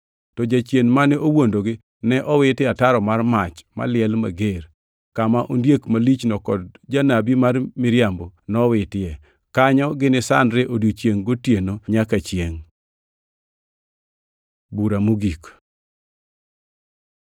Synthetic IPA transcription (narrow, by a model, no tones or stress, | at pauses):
tɔd͡ʒat͡ʃjenmanɪowondoɡɪ | nɛʔɔwɪtɪataɾɔmarmat͡ʃma̰lɪɛlma̰ɡeɾ | kamaʔondjekmalit͡ʃnɔkɔd̚d͡ʒanabimarmɪɾjambonɔwɪtɪɛ | kaɲɔɡɪnɪsa̰nɾeʔodot͡ʃjeŋɡotjenoɲakat͡ʃjeŋ | buɾamuɡik